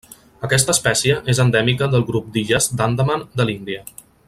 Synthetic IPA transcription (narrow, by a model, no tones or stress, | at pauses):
əkɛs̬t̪əːspɛsiəʔezənd̪ɛmikəðəlˠɣɾup̚d̪iʒəzd̪and̪əmənd̪əlind̪iə